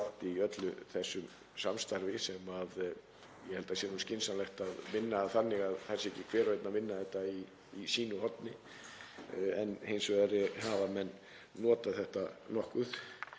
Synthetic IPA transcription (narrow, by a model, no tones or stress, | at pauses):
ht̪iœt̪lʏθɛsːʏm | samst̪aɾvɪsɛmað | jɛhɛlt̪asjɛɾnuscɪnsanlɛxt̪aðmɪnːaːðθanːɪɣaðθɛsɛhcɪkʰv̥ɛːɾœjt̪namɪnːaθɛht̪aiː | siːnʏɦɔt̪nɪ | ɛnhejnsvɛðɾɛhaːvamɛnː | ɔːt̪aθɛht̪anɔhkʏθ